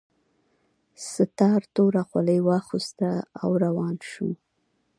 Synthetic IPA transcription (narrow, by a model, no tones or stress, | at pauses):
sət̪ɑɾt̪oɾaxwaləjwɑxust̪aa̰wɾawɑnʃṵ